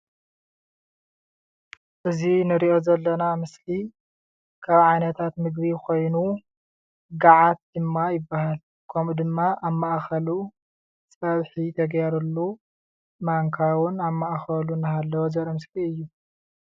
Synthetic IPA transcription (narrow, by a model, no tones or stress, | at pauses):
ʔɨzinɨɾiʔo̞zɐlːɐnamɨsli | kʰaβʕajnɐt̪ʰat̪mɨɡβikʰo̞jnu | ɡaʕat̪̚d̪ɨmːajɪbːahal | kʰomud̪ɨmːaʔaβmaʔxɐlu | t͡sʼɐβħit̪ʰɐɡjaɾulːu | maŋkʰawʊnaβmːaʔxɐlunɐɦalːɐwozɐɾɐmɨskiɨjːu